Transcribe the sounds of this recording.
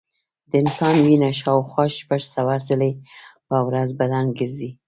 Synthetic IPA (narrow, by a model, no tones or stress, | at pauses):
d̪əɪnsɑnwinaʃɑwxwɑʃpaʒsawasɪlepawɾazbalaŋɡəɾzi